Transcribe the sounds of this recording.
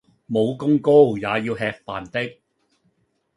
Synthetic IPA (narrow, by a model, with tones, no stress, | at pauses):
mo˨˧wkʊ˥ŋko˥wjaː˨jiː˧wɦɛː˧k̚paː˨˩nt̪ɪ˥k̚